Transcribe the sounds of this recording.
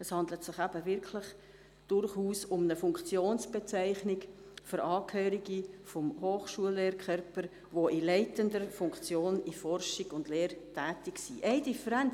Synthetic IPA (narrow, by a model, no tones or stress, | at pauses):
ɛshɑndlətsɪχæb̥əvɪɾkʰlɪχ | d̥ʊrχuːsʊmnəfʊŋkt͡sjoːnsb̥et͡sæɪχnɪk | føɾʔɑːkhøːɾiɡifɔmhoːχʃuəlːeːɾkʰœɾpəɾ | ʋoʔilɛɪtəndəɾfʊŋkt͡sjoːnifɔrʃɪɡʊndleːɾtʰæːtɪksiʔɛɪdifəɾɛn